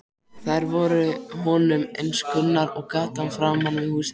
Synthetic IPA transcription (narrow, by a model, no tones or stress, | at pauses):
θajɾvɔɾʏhɔːnʏmejnskʏnːaɾɔɣkaːt̪anfɾamanvihuːs